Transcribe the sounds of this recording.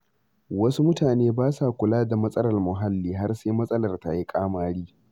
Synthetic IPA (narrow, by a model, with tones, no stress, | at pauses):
wɐ˦su˦mʊ˦taː˨neː˦baː˦sa˨kʷʊ˨laː˦da˨mɐ˦sʼɐ˦lɐ˨rmʊ˨ɦa˦lːiː˦ɦa˦rseː˦mɐ˦sʼɐ˦lɐ˨rta˨ji˦kʼaː˦maː˦ɽiː˦